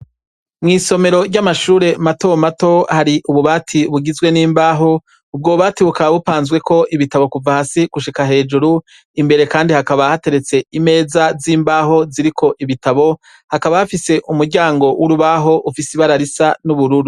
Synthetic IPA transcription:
mŋiːso̞me̞ɾo̞ɾɟamaʃuːɾe̞mato̞mato̞haɾiʔuβuβaːtʰiβuɡizwe̞niːmbaːɦo̞ | ub̚ɡouβaːtiβukaβaβupaːnzɡwe̞kʰo̞ʔiβitaβo̞kuvahasiɡ̥uʃikaɦe̞ːd͡ʒuɾu | imbe̞ɾe̞kaːndihakaβahate̞ɾe̞t͡se̞ime̞ːzaziːmbaːɦo̞ziɾikʰo̞ʔiβitaβo̞ | hakaβahafise̞ʔumuɾɟaːŋɡo̞wʔuɾuβaɦo̞ʔufisiβaɾaɾisanuβuɾuɾu

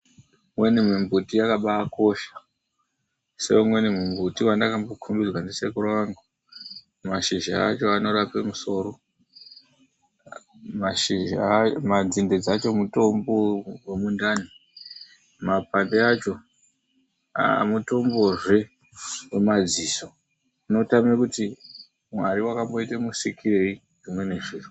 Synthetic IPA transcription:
mwe̞nim̤imbʱutijakaɓaːko̞ʃḁ | se̞̰umwe̞nem̤imbʱutiwandakambokʰumbirwanese̞kurwaŋɡa | maʃiʒa̰ːt͡ʃo̞ano̞ɾapemuso̞ːɾo̞ | maʃiʒamad͡zinde̞d͡zat͡ʃo̞muto̞mbo̞wemundani | mapandeat͡ʃo̞ | a̰muto̞mbo̞ʐe̞ | wemad͡ziːso̞ | inotamekuti | mwaɾiwakambo̞itemusikʰire̞i | d͡zimwene̞ʐiːru

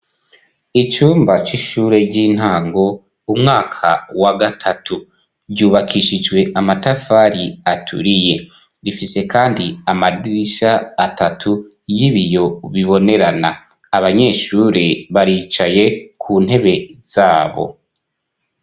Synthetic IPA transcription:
it͡ʃuːmbat͡ʃiʃuːɾe̞ɟiːn̥haːŋɡo̞ | umŋaːkʰa̰waɡatʰatʰu | ɾɟuːβakʰiʃid͡ʒwe̞ʔamatafaɾiatʰṵɾije̞ | ɾifise̞kaːndiamadiiʃaːtatʰu | jiβijo̞βiβo̞ne̞ɾanaː | βaɲe̞ːʃuːɾe̞βaɾit͡ʃaje̞kʰuːn̥he̞βe̞z̥aːβo̞̰

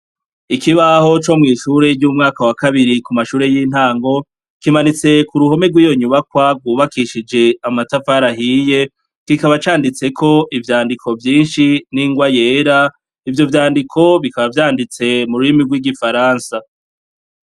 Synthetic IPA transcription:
ikiβaho̞t͡ʃo̞mŋiːʃuːɾe̞ɾɟuːmŋaːkawakaβiɾikumaʃuːɾe̞jin̥haːŋɡo̞ | kimanit͡se̞kuɾuho̞me̞ɾɡwiːjo̞ɲuβakwaɡɡwuːβakiʃid͡ʒe̞amatafaɾaɦiːje̞ | kikaβat͡ʃaːndit͡se̞kʰo̞ʔivjaːndikʰo̞vjiːnʃiniːŋɡwaje̞ːɾa | ivjo̞vjaːndikʰo̞βikaβavjaːndit͡se̞muɾuimiɾɡwiːɡifaɾaːnsa

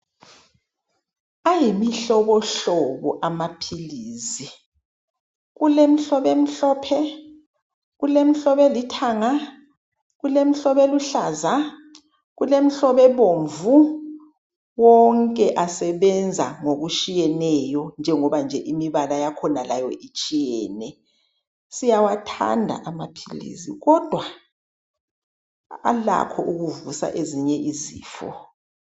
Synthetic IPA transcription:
ajimiɬɔβɔɬɔβɔʔamapʰiliːzi | ɣulem̩ɬɔβem̩ɬɔːpʰɛ | ɣulem̩ɬɔβɛlitʰaŋa | ɣulem̩ɬɔβeluɬaza | ɣulem̩ɬɔβɛβoɱvu | wɔŋkʼɛʔasɛβɛnd͡zʱa̰ŋoɣuʃijɛnɛjɔnd͡ʒʱɛŋɔβand͡ʒʱɛʔimiβalajakʰɔnalajɔʔit͡ʃʼijɛːnɛ | sijawatʰa̰ndʱa̰ʔamapʰilḭsḭɣɔd̥ʱwa | a̰la̰kʰɔʔuɣuvusa̰ʔeziɲɛʔiziːfɔ̰

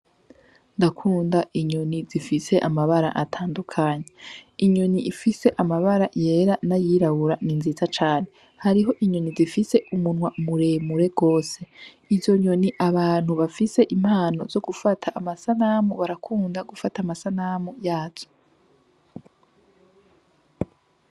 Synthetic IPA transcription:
ndakʰuːndaʔiɲo̞nizifise̞ʔamaβaɾa̰ʔatʰaːndukʰaːɲeiɲoniʔifise̞ʔamaβaɾaje̞ːɾanajiːɾaβuɾaninzizat͡ʃaːne̞ | haɾiɦo̞ʔiɲo̞nizifise̞umunwamuɾe̞muɾe̞ɡ̥o̞ːse̞ | izo̞ɲo̞niʔaβaːn̥huβafise̞ʔim̥haːno̞̰z̥o̞ɡufatʰaʔːmasanamuβaɾakʰuːndaɡufatamasanaːmujaːz̥o̥

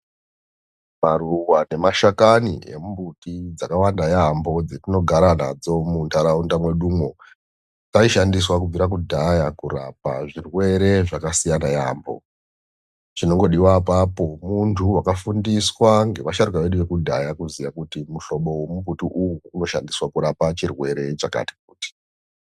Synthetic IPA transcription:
maruwane̞maʃakanḭḛmumbutid͡zakawandajaːmbo̞d͡zetino̞ɡʱaɾana̰d͡zo̞muntʰaɾaundamwe̞ɗumwo̞ | kaiʃandiswakub͡viɾak̬udʱajakuɾa̰pa̰ʐirwe̞ɾe̞ʐakasijanaja̰mbo̞̰ | t͡ʃino̞ŋɡo̞ɗiwapapo̞muntʰuwakafundiswaŋɡe̞ʋaʃaɾukaʋe̞ɗuʋe̞kudʱajakuzijakutimuɬo̞ɓo̞wemumbʱutiʔujuːno̞ʃandiswakuɾapat͡ʃirwe̞ɾe̞t͡ʃaka̰ti̥k̚uːti̥

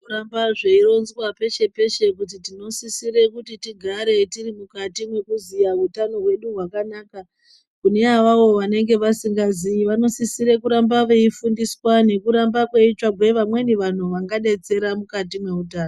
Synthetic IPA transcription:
uɾambaʐeiro̞nzwape̞ʃe̞pe̞ʃe̞kut̬itino̞sisiɾe̞kutitiɡʱaɾe̞tirimukatimwe̞kuzijautano̞ɦwe̞ɗuɦwakanaːka | kuneawaʋo̞ʋane̞ŋɡe̞ʋasiŋɡazijiʋano̞sisiɾe̞kuɾambaʋeifundiswane̞kuɾambakwe̞it͡ʃaɡwe̞ʋamwe̞niʋan̤uʋaŋɡaɗe̞t͡se̞ɾamukatimwe̞utaːno

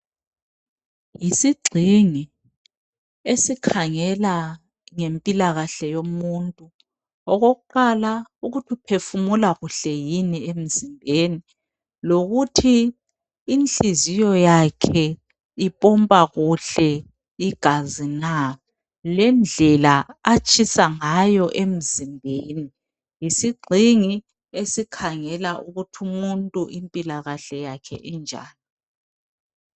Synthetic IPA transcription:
jisiɡ͡ǀʱiŋi | esikʰaŋɛla | ŋempʼilaɣaɬɛjomuntʼu | ɔɣoɣuǃalauɣutʰipʰefumulaɣuɬɛjiniem̩zimbʱeːni | loɣutʰiː | nt͡ɬʼizijɔjakʰɛ | ipʼɔmpʼaɣuɬɛ | iɡ̥ʱazina | lɛnd͡ɮʱɛlaat͡ʃʼʰisaŋajɔʔem̩zimbʱeni | jisiɡ͡ǀʱiŋi | esikʰaŋɛlaʔuɣutʰumuntʼuʔimpʼilaɣaɬɛjakʰɛ̰ʔind͡ʒʱa̰ːni

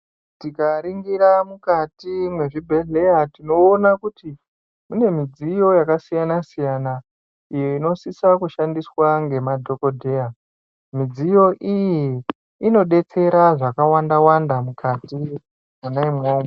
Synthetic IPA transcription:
tikaɾiŋɡiɾamukatimwe̞ʐibʱe̞ɮe̞jatino̞ːnakuti | mune̞mid͡zijo̞jakasijanasijana | ijo̞ino̞sisakuʃandiswaŋɡe̞madʱo̞kodʱe̞ja | mid͡zijo̞ʔijiː | no̞ɗe̞t͡se̞ɾaʐakawandawandamukati | munaimoːma

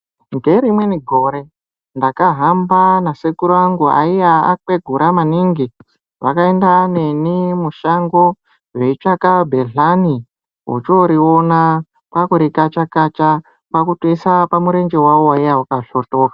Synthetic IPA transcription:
ŋɡe̞ɾimwe̞niɡʱo̞ɾe̞ | ndakaɦambanasekuɾaŋɡua̰ijaa̰kwe̞ɡʱuɾʔamaniŋɡi | ʋa̰kaendane̞nimuʃaŋɡo̞ | ʐeit͡ʃakabʱeɮani | ɦo̰t͡ʃoɾiona | pakuɾikat͡ʃakat͡ʃa | pakutisapamuɾe̞nd͡ʒewawowaijawukaɬotoːka

